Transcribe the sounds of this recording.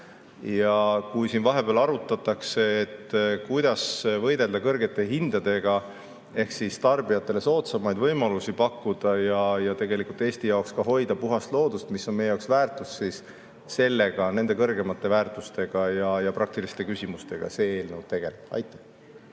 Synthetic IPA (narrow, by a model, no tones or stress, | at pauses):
jɑkujsinvɑɦe̞b̥eːlɑɾut̪ːˑɑt̪ːˑɑkse̞ːt̪ːˑkujd̪̥ɑsvɤjd̪e̞ld̪̥ɑkɤrɡe̞t̪ːˑe̞ɦind̪̥ɑd̪̥e̞ɡ̥ɑ | e̞hksist̪ɑrbijɑt̪ːˑe̞le̞so̞ːt̪sɑmɑjd̪vɤjmɑlusipɑkːud̪̥ɑjɑjɑt̪e̞ɡe̞likult̪ːˑe̞ːsʲt̪ijɑokskɑɦo̞jd̪ɑpuɦɑst̪lo̞ːd̪̥ust̪misːo̞nmejejɑoksvæːrt̪usːisː | e̞lːe̞ɡ̥ɑne̞nd̪̥e̞kɤrɡe̞mɑt̪ːe̞væːrt̪ˑust̪e̞ɡ̥ɑjɑjɑpɾʔɑk̚t̪ilist̪e̞kysʲimust̪e̞ɡ̥ɑ̰se̞eːlnewt̪e̞ɡ̥e̞leɑ̰jt̪ːˑɑ